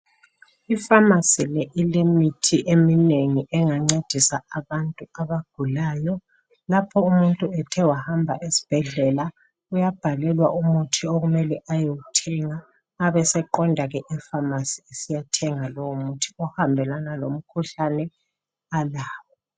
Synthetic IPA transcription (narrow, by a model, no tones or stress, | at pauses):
ifamasilɛʔilemitʰiʔemineŋiʔɛŋaŋ͡ǀed̥ʱisaaβantʼuaβaɡ̥ʱulaːjɔ | lapʰɔumuntʼuɛtʰɛwahambʱa̰ʔesi̥b̥ʱɛɮɛla | ujab̥ʱalɛlwaʔumutʰioɣumɛlɛʔajoutʰɛŋaː | βɛsɛǃɔndʱaɣɛʔɛfamasiesijatʰɛŋalɔwumutʰi̥ɔhambʱɛlanalom̩kʰuɬanɛ | alaːwɔ